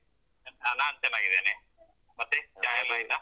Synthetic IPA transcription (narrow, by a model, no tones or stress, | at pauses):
ɐnɐlaːnt̪enaːɡiðḛːne | mɐt̪ːed͡ʒaːjɐlaːilːa